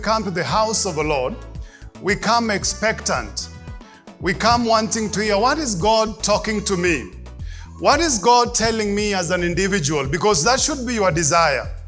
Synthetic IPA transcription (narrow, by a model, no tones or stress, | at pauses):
kʰʌ̃mtɨðɨɦaʊsʌvðəlɔɹd̚wikʰʌ̃mɛkspɛktə̰̃nt | wikʰʌ̃mwɔ̃ntɪ̃ŋtɨhiəwʌɾɨzɡɑd̚tʰɔkɪ̃ŋtʰɨmi | wʌɾɪzɡɑd̚tʰɛlˠɪ̃ŋmiɨzɨ̃nɪ̃ndɨvɪd͡ʒɨwəl̩ˠbɨkɔzðətʃɨd̚bijə˞dɨzaɪə̰˞